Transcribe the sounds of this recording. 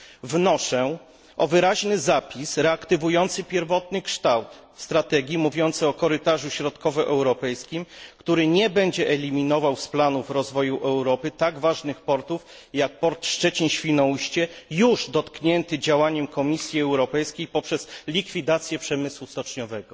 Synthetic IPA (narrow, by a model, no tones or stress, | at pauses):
vnɔʂɛ | ʔɔvɘɾaʑnɘzapʲisɾɛakt̪ɘvujɔnt̪sɘpʲjɛɾvɔt̪nɘkʂt̪awt̪ | st̪ɾat̪ɛɡʲjimuvʲjɔnt̪sɛɔkɔɾɘt̪aʐuɕɾɔt̪kɔvɛʔɛwɾɔpɛjskʲimkt̪uɾɘɲɛbɛɲd͡ʑɛʔɛlʲimʲinɔvawsplanufɾɔzvɔjuʔɛwɾɔpɘt̪aɡvaʐnɘxpɔɾt̪uf | jak̚pɔɾt̪ʂt͡ʂɛt͡ɕiɲɕfʲinɔuɕt͡ɕɛjuʐd̪ɔt̪kɲɛnt̪ɘd͡ʑawaɲɛmkʰɔmʲisʲjiɛwɾɔpɛjskʲejpɔpʂɛz̥lʲikfʲid̪at̪sʲjɛpʂɛmɘswust̪ɔt͡ʂɲɔvɛɡɔ